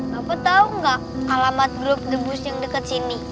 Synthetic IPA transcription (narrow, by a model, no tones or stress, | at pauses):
bapat̪auŋɡaʔalamat̪̚ɡɾʊp̚dəbʊsjaŋdəkət̪̚sini